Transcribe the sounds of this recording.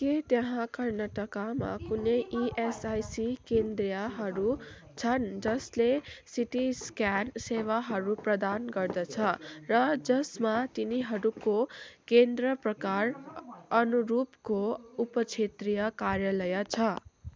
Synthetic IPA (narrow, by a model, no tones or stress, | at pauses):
ket̪jʌɦãkʌrnaʈʌkama̰kunʌjʔiʔesajsikend̪rijʌɦʌɾu | t͡sʰʌnd͡zʌslesiʈiskansewaɦʌɾuprʌd̪anɡʌrd̪ʌt͡sʰʌrʌd͡zʌsmat̪iniɦʌɾukokend̪rʌprʌkarʌnuɾupkoupʌt͡sʰet̪rijʌkarjʌlʌjʌt͡sʰʌ